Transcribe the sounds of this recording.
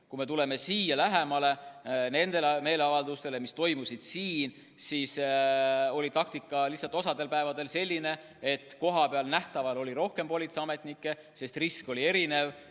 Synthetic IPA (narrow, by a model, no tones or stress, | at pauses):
kume̞t̪ule̞me̞siːjɑlæɦe̞mɑle̞ne̞nd̪̥e̞lme̞ːleɑvɑld̪ust̪e̞le̞mist̪o̞jmusid̪̥siːn | siːs | o̞lit̪ɑk̚t̪ikːˑɑlihsːɑlt̪ːˑo̞sɑd̪e̞lpæevɑd̪e̞lse̞lʲːine̞ | et̪ːˑko̞ɦɑpeɑlnæht̪ɑvɑlo̞lʲiɾo̞hke̞mpo̞lʲit̪seɑme̞t̪ˑnikːˑe̞ | se̞st̪risko̞lʲie̞ɾine̞v